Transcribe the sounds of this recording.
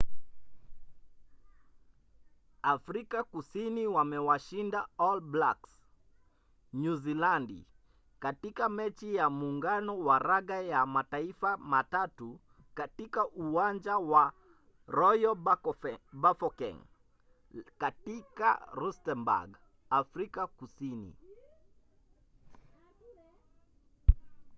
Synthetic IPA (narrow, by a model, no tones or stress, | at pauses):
afɾikakusiniwamɛwaʃindaɔlblaks | nuzilandḭ | katikamɛt͡ʃijamuːŋɡanɔwaɾaɣajamataifamatatu | katikaʔuand͡ʒawa | ɾɔjɔ | bafɔkɛ̰ŋ | katika̰ɾustɛmba̰ɡ | afɾikakusinḭ